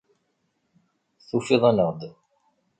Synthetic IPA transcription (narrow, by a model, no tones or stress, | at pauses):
θufiðˤænəʁd̪